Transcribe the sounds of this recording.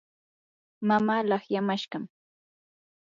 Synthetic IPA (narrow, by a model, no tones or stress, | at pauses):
mamaːlɑχjamaʃɢɑm